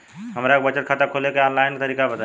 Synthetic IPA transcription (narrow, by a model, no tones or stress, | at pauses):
ɦəmɾak̚bət͡ʃət̪̚kʰat̪əkʰolekeɔ̃nlaɪnkt̪əɾiːkabət̪a